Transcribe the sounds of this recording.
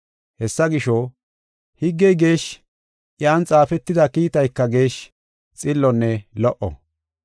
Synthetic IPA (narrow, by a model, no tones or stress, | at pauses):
hɛsːɐɡɪʃɔ | hɪɡːɛjɡe̞ːʃ | ʔjaːnt͡sʼaːfɛt̪ːɪd̪ɐkiːt̪ɐjkːɐɡe̞ːʃ | t͡sʼɪlːɔnːɛlɔʔɔ̰